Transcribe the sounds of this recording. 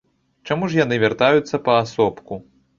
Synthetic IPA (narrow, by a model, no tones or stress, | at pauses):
t͡ʂamuʂjan̪ɨvʲart̪ajut̪sːɐpɐːsɔpku